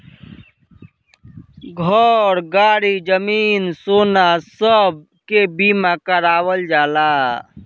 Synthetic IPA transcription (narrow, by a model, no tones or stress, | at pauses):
ɡʱɔɾɡaːɽid͡ʒəmiːnsoːnasəb̚ | kebiːmakəɾaːwəld͡ʒaːlaː